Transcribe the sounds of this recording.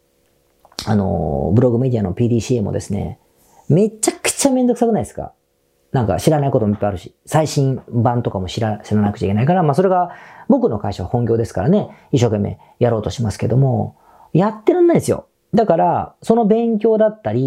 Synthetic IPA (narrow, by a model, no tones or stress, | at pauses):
ano̞̰bɯ̟ɾo̞ɡɯ̟me̞d̪ʲiano̞pʲiːd̪iːɕiːmo̞̰d̪e̞sɨne̞̰ | me̞t͡ɕakɯ̥t͡ɕame̞nzo̞ksakɯ̟naid̪esɨ̥ka̰ | nãŋka̰ɕiɾanaiko̞t̪omipːaiaɾɯ̟ɕi̥ | saiɕĩbãnt̪o̞kamo̞ɕiɾaɕiɾanakɯ̟t͡ɕa̰ikeaikaɾamaːso̞ɾe̞ɡabo̞kɯ̟no̞kaiɕaβahõ̞ŋɡʲo̞ːd̪e̞sɨ̥kaɾane̞iɕːo̞ːke̞mːe̞̰ | jaɾo̞ːt̪o̞ɕimasɨ̥ke̞d̪o̞mo̞ | jat̪ːe̞ɾãnːaisɨjo̞̰ | d̪akaɾaso̞no̞bẽ̞ŋk̬ʲo̞ːd̪at̪ːaɾʲi